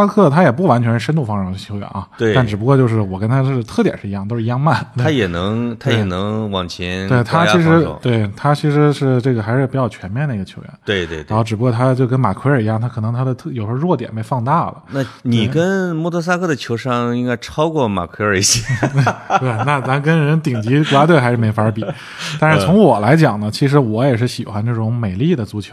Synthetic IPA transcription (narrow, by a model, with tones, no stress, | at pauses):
a˥kʰɤ˥˩t̪ʰa˥jɛ˨˩p̬u˥˩wa˧˥nt͡ɕʰɥɛ˧˥nʂ̩ɻ̩˥˧ʂə˥nt̪u˥˩fɑ˥ŋʂɑ˨˩˧t͡ɕʰo˧˥ɥɛ̰˧˦nʔɐ˧˩t̪a˥˩nʈ͡ʂɻ̩˨˩pu˧˥kwɔ˥˧t͡ɕjʂ̬ɻ̩˥˩wɔ˨˩kə˥nt̪ʰa˥ɤ˥˩˧t̪ʰɤ˥˩t̪jɛ̰˨˩nʂɻ̩˥˩i˧jɑ˥˩ŋt̪o˥ʊʂɻ̩˥˧jɑ˥ŋma˥˩nt̪ʰa˥jɛ˨˩nɤ˧˥ŋt̪ʰa˥jɛ˨˩nɤ˧˥ŋwɑ˨˩ŋt͡ɕʰjɛ˧˥nwe˥˧˩ɪt̪ʰa˥t͡ɕʰi˧˥ʂɻ̩̰˧˥˧t̪we˥˩ɪt̪ʰa˥t͡ɕʰi˧˥ʂɻ̩˧˥ʂɻ̩˥˧ʈ͡ʂɤ˥˩ɡə˩a˧˥ɪʂɻ̩˥˩pu˧˥˩t͡ɕjɑ˥˩ʊt͡ɕʰɥɛ˧˥nmjɛ˥˩˧nd̪ə˩i˧˥ɡə˧t͡ɕʰjo˧˥ʊɥɛ̰˧˥nt̪we˥˧ɪt̪wḛ˥˧a˧˥nxo˥˩ʊʈ͡ʂɻ̩˨˩pu˧˥kwɔ˥˩t̪ʰa˥t͡ɕjo˥˩ʊkə˥nma̰˨˩kʰwə˞˨˩˧jɑ˥˩t̪ʰa˥kʰɤ˨˩nɤ˧˥ŋt̪ʰa˥d̪ə˨t̪ʰjo˨˩ʊʂwɔ˥˩t̪jɛ̰˨˩npe˧˥ɪfɑ˥˧ŋt̪a˥˩lə̰˩na˥˩ni˨˩kə˥nmɔ˥˧t̪ʰɤ˧˥s̬a˥kʰɤ˥˩d̪ə˩t͡ɕʰjo˧˥ʊʂɑ˥˧ŋi˥ŋka˥ɪʈ͡ʂʰɑ˥ʊkwɔ˥˩ma̰˨˩kʰwə˞˨˩i˥˩ɕjɛ˧˥˩tt̪we˥˩ɪna˥˩t̪a˥k̬ə˥nɻə˧˥nt̪i˨˩ŋt͡ɕi˧˥kla˥t̪̬we˥˩xa˧˥ɻ̩˥˩me˧˥ɪfa˧˥ə˧˥pi˨˩˦ | t̪a˥˧nʂɻ̩˥˩t͡sʰʊ˧˥ŋwɔ˨˩la˧˥ɪt͡ɕjɑ˨˩ŋnə˦t͡ɕʰi˧˥ʂ̬ɻ̩˧˥wɔ˧˥jɛ˨˩ʂ̬ɻ̩˥˩ɕi˨˩xwa˧˥nʈ͡ʂɤ˥˩ʈ͡ʂʊ˧˥ŋme˨˩ɪli˥˩d̪ə˩t͡su˧˥˩t͡ɕʰjo˧˥˦